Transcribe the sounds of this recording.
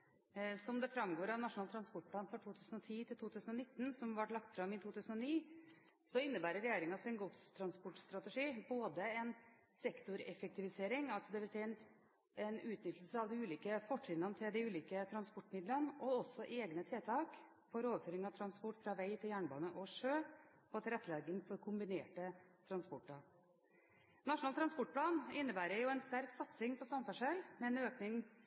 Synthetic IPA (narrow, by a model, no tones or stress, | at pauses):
sɔmd̪ɛfɾɑmɡoːɾɑʋnɑʂʊnɑlt̪ʰɾɑnspɔʈ̚pʰlɑːnfɔʈʰuːt̪ʰʉːsən̩ɔt̪ʰiːt̪ʰɪlt̪ʰuːt̪ʰʉːsənɔnɪt̪ːnsɔmʋɑʈlɑk̚t̪fɾɑmɪt̪ʰuːt̪ʉːsənɔniː | sɔɪnːəbæːɾəɾɛjeːɾɪŋɑsɛnɡʊt̪st̪ʰɾɑnspɔʈst̪ɾɑt̪ɛʂiːboːd̪əɛn | sɛkt̪ʊɾɛfɛk̚t̪ɪʋɪseːɾɪŋɑlsɔd̪ɛʋɪlsɛɪɛn | ɛnʉːt̪nʏt̪ʰːləlsəɑʋd̪ɪʉːliːkəfɔʈːɪnənət̪ʰɪld̪ɪʉːliːkət̪ʰɾɑnspɔʈːmɪd̪lənɔɔsɔʔeːɡnət̪ʰeːt̪ʰɑːk | fɔɾoːʋəɾføːɾɪŋɑʋt̪ʰɾɑnspɔʈːfɾɑʋæɪt̪ʰɪljæːɳbɑ̰ːnəʔɔʂøː | pɔt̪ʰɪlɾɛt̪ːəlɛːɡənfɔɾkʰʊmbɪneːʈət̪ʰɾɑnspɔʈːɑ | nɑʂʊnɑːt̪ʰɾɑnspɔʈ̚pʰlɑːnɪnːəbæːɾəɾjʊɛnst̪æɾksɑt̪sɪŋpʰɔsɑmfæʂɛlmɛɛnøːknɪŋ